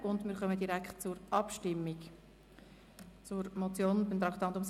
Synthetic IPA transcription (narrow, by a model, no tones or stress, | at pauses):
ʔʊndmɪːɾχœmədiɾækχtt͡sʊɾʔɑpʃtɪmːiɡ | t͡sʊɾmɔt͡sjoːnbɪmt̪ɾɑkt̪ɑnt̪ʊms